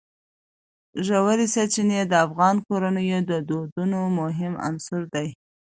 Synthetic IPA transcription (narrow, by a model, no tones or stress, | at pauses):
ʒawaɾisat͡ʃined̪əafɣɑnkoɾanəjod̪əd̪od̪unomʊɦɪma̰nsʊɾd̪aj